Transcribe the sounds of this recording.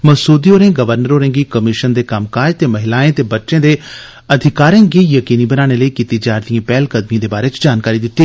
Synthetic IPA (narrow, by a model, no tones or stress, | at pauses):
mɐsuːd̪ioːɾẽːɡɐʋəɾnəɾoːɾẽːɡikɐmɪʃənd̪eːkɐmkaːɾt̪eːmɐɦɪlaːẽt̪ebɐtːʃẽːd̪e | ɐd̪ʱɪkaːɾẽɡiːjɐkiːnibɐnaːɽ̃eləikit̪id͡ʒaːɾd̪ijẽːpɛːlkɐd̪mijãd̪ebaːɾet͡ʃd͡ʒaːnkaːɾid̪ɪt̪ːiː